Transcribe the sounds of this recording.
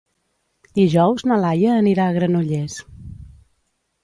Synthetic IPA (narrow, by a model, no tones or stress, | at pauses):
d̪̥iʒɔwznəlajəːniɾaːɣɾənuʎes